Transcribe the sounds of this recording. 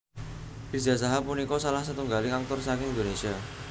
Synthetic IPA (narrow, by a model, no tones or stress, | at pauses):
d̥i̥d͡ʒa̤s̬aɦapunikɔsalahsət̪uŋɡaliŋaŋ̚t̪ʊrsakɪɪnd̪onesia